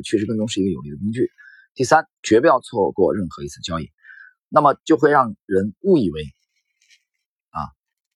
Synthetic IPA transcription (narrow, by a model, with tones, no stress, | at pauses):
t͡ɕʰɥɛ˥˩ʂɻkɤ˥˩ŋt̪ʊ˥ŋʂ̩ɻ̩˥˩˧ə˧jo˨˩ʊli˥˩d̪ə˩ki˥ŋt͡ɕy˥˩ | t̪i˥˩sa˥nt͡ɕɥɛ˧˥pu˥˧jɑ˥˧ʊt͡sʰwɔ˥˧kwɔ˥˧ɻə˥˩nxɤ˧˥i˧˥t͡sʰɹ̩˥˩t͡ɕjɑ˥ḭ˥˩ | na˥˩mə˩t͡ɕjo˥˧ʊxwe˥˧ɪɻɑ˥˩ŋɻə˧˥nu˥˩i˥˩we˧˥ɪ | ɐ˥˩